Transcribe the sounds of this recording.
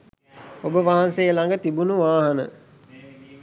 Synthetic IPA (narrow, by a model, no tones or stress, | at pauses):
obəʋaɦansejəlaŋɡət̪ibunuʋaːɦɐnə̰